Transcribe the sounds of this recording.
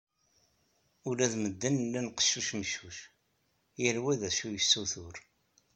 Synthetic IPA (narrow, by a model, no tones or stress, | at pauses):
ʊlæðməd̪ːənlːænqə̥ʃːuʃməʃːuʃ | jəɾwæðæʃujəsːuθʊɾ